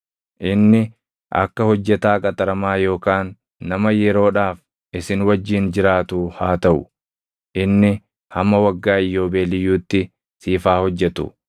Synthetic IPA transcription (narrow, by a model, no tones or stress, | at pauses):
ʔɪnːɪ | ʔɐ̰kːɐhɔd͡ʒːɛt̪aːkʼɐt̪ɐɾɐmaːjo̞ːkaːnː | ɐmɐjɛɾo̞ːᶑaːf | ʔɪsɪnwɐd͡ʒːiːnd͡ʒɪɾaːt̪uːhaːt̪ɐʔʊ | ʔɪnːɪ | hɐmːɐwɐɡːaːɪjːo̞ːbeːlɪjːuːt̪ːɪ | siːfaːhɔd͡ʒːɛt̪ʊ̰